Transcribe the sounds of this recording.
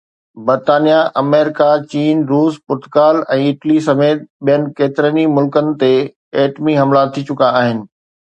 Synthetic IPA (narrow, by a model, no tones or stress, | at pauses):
bɐɾt̪aːnijaʔɐmeːɾɪkat͡ɕiːnɾuːspʊɾt̪ʊkaːlɛ̃ːɪʈlisɐmeːt̪̚ɓijənɪ̆keːt̪ɪɾənimʊlkənɪ̆t̪e | ɛːʈmiɦɐmlaːt̪ʰːiːt͡ɕʊkaːɦɪnɪ̆